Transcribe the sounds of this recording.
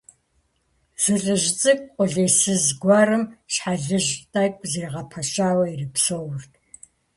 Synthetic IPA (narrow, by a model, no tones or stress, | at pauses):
z̥ɨɮɨʒt͡sʼɨk̚ʼqʷʼʊɮeːsɨzɡʷɑːrɨmʃħaɮɨʒtʼak̚ʷʼzeːʁɐpʰɐʃaːwɐirɨpsowʊrtʰ